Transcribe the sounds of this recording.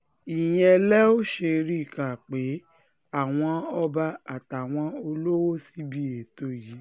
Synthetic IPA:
i˨j̃ɛ̃˨˧lɛ˦o˦ʃe˧ɾi˦˨ka˨k͡pe˨˦ | a˦˨w̃ɔ̃˧ɔ˧ba˧a˨ta˨w̃ɔ̃˧o˧lo˦wo˦si˦bi˦e˨to˦˨ji˨˦

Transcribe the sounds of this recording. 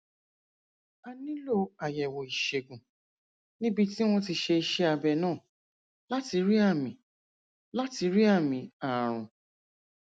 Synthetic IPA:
a˧nĩ˦lo˦˨a˨jɛ˨wɔ˨i˨ʃe˨ɡũ˨ | nĩ˦bi˧ti˦w̃ɔ̃˦t̬i˧ʃe˧ʃe˦a˧bɛ˧nãː˦˨ | la˦ti˧ɾi˦a˦˨mĩ˨ | la˦ti˧ɾi˦a˦˨mĩ˧˦a˨ɾ̃ũ˨

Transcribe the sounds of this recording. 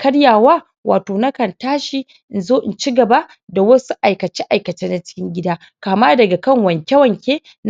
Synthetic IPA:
kʰɐ˦ɽjaː˨waː˦ | wʔaː˨toː˨na˦kɐ˨ntaː˦ʃi˦ | ʔɪ˨nzoː˦ʔɪ˨nt͡ʃi˦ɡɐ˨ba˦ | da˨wɐ˦su˦ʔa˨jkɐ˨t͡ʃe˦ʔa˨jkɐ˨teː˦na˨t͡ʃɪ̥˦kʲɪ˦ŋɡʲɪ˦daː˦ | kaː˨maː˦dɐ˨ɡa˨kɐ˦ŋwɐ˨ŋkʲɐ˦wɐ˨ŋkʲeː˦ | n˦

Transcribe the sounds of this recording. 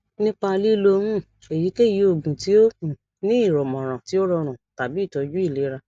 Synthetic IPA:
nĩ˦k͡pa˧li˦lo˧mũ˦˨ | e˨ji˨˦ke˦˨ji˧˦o˨ɡũ˨ti˨˦o˦hũ˨ | nĩ˦i˦˨ɾɔ˨mɔ̃˨ɾ̃ã˨ti˨˦o˦ɾɔ˧ɾ̃ũ˨ta˨bi˨˦i˦˨tɔ˧d͡ʒu˦i˦˨le˨˦ɾa˧

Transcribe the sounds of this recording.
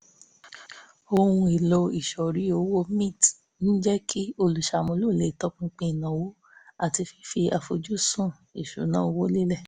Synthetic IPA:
o˧wũ˧i˨lo˧i˨ʃɔ˨ɾi˨˦o˧˦wo˦mĩ˦˨t | nĩ˦d͡ʒɛ˦kʰi˦o˧lu˨ʃa˨mõ˧˦lo˦˨le˨˦i˨tɔ˦k͡pũ˦k͡pĩ˧i˨nã˨wo˨˦ | a˨ti˧fi˧fi˧a˨fo˨˧d͡ʒu˦˨sũ˦˨i˨ʃo̰˨˦nãː˦o˧˦wo˦li˦lɛ˦˨

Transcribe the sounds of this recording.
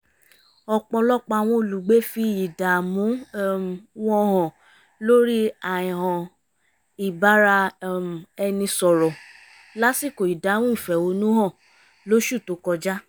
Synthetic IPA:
ɔ˧k͡pɔ˧lɔ˦k͡pa˧˨w̃ɔ̃˧o˨lu˨ɡ͡be˨˦fi˧˨ji˨da˨mũ˨˦mwɔ̃˦hɔ̃˨ | lo˦ɾi˦a˨ĩ˨ɦɔ̃˨ | i˨ba˨˦ɾa˧˨ | ɛ˧nĩ˧sɔ˨ɾɔ˨ | la˦si˦˨ko˨i˨da˨˦w̃ũ˦ĩ˨fɛ˨o˨˧˦nũ˦hɔ̃˦˨ | lo˦ʃu˦˨to˨˦kɔ˧d͡ʒa˦

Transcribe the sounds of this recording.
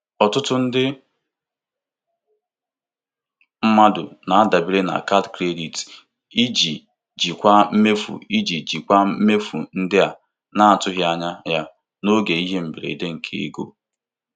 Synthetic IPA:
ɔ˨tʊ˦tʊ˦n̩˦dɪ˦ | m̩˦ma˦dʊ̰˨na˨a˦da˨bi˦ɾe˦na̰˨ka˦dkɾe˦di˨t | i˦d͡ʒi˨ | d͡ʒi˨kʷa˦m̩˦me˦fṵ˨i˦d͡ʒi˨d͡ʒi˨kʷa˦m̩˦me˦fu˨n̩˦dɪ˦a˨ | na˦a˨tʊ˦ɦja˨ɲa˦ja˦ | no˦ɡe˨i˦ɦe˦m̩˨bi˨ɾḛ˨i˨de˦ŋ̩˨kʰe˦ḛ˦ɡo̰˦

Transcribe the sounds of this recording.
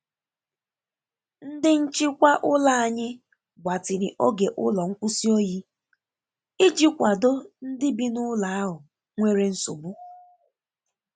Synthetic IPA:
n̩˦dɪ˦n̩˦t͡ʃi˦kʷa˦ʔʊ˦la˦a˨ɲɪ˦ | ɡʷa˨tɪ˨ɾɪ˨ʔo˦ɡe˨ʔʊ̰˦lɔ˨ŋ̩˦kʷu˦si˦o˦ji˦ | i˦d͡ʒi˦kʷa˨do˦n̩˦dɪ˦bi˦nʊ˦la˨a˦ɦʊ˨ | ŋʷe˦ɾe˦n̩˦so˨bʊ˦˨

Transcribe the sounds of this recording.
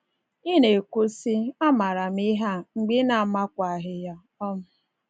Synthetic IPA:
i˦ne˨kʷo˦si˦a˦ma˨ɾa˨m̩˦i˦ɦa˦ŋ͡m̩˨ɡ͡bɪ˦na˨ma˦kʷa˨ɦɪ˦ja˦ | ɔ˦mʊ˨

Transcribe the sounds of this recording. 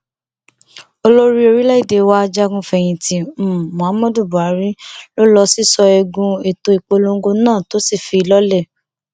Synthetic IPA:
o˧lo˦ɾi˦o˧ɾi˦la˦i˦˨de˨˧wa˦˧d͡ʒa˦ɡũ˧fɛ˧˨j̃ĩ˧ti˧˦m̩̃˦˨mɔ̃˨a˨˦mɔ̃˦du˦˨bu˨a˨˦ɾĩ˦lo˦lɔ˧si˦sɔ˧ɛ˧ɡũ˧e˨to˧i˨k͡po˧lo˧ŋ˦ɡo˧nãː˦˨to˨˦si˦˨fi˧˨lɔ˦lɛ˦˨

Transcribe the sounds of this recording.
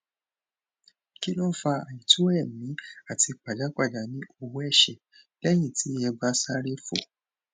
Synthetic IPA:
ki˦nɔ̃˦fa˧a˨jĩ˨tu˦ɛ˦˨mĩ˨˦a˦˨ti˧k͡pa˨d͡ʒa˨˦k͡pa˦˨d͡ʒa˨˦nĩ˦o˦˨wu˦ɛ˦˨ʃɛ˨ | lɛ˦j̃ĩ˦˨ti˨˦ɛ˧ba˦sa˦ɾe˦fo̰˦˨

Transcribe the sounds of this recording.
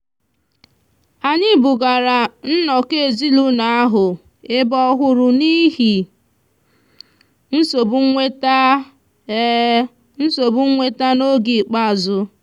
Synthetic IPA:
a˨ɲɪ˦bʊ˨ɡa˨ɾa˨n̩˦nɔ˨ke˦e˨zi˦lu˦na˨a˦ɦʊ˨ | e˦bɔ˦ɦʊ˦ɾʊ˨ni˦ɦi˨ | n̩˦so˨be˦t | n̩˦so˨bʊ˦ŋʷe˦ta˦no˦ɡi˨k͡pa˦a˨zʊ˦

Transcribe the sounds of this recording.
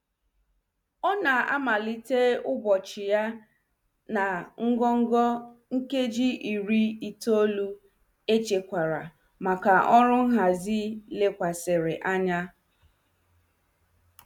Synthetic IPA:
ɔ˦na˨a̰˦ma˨li˦te˦ʊ˦bɔ˨t͡ʃɪ˨ja˦ | na˨ŋ̩˦ɡɔ˦ŋ̩˦ɡɔ˦ŋ̩˦ke˦d͡ʒi˦i˨ɾi˦i˨to˦lu˦ | e˦t͡ʃe˨kʷa˨ɾa̰˨ | ma˨ka˨ʔɔ˦ɾʊ˦ɦa˨zi˦le˦kʷa˨sɪ˨ɾɪ˨ʔa˦ɲa˦

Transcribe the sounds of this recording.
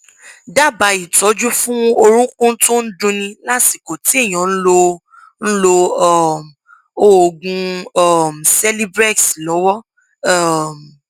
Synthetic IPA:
da˦˨ba˨˦i˨tɔ˨˦d͡ʒu˦fũ˦o˧ɾ̃ũ˦kũ˦n̩˦to˦n̩˦dũ˧nĩ˧la˦si˦˨ko˨ti˨˦e˦˨j̃ɔ̃˨ñ̩˦lo˧ | n̩˦lo˧ɔ˦˨m˨ | o˦o˨ɡũ˧ɔ˨m̩˨sɛ˦li˦bɾɛ˦˨tslɔ˨˦wɔ˦ | a˦˨m˨

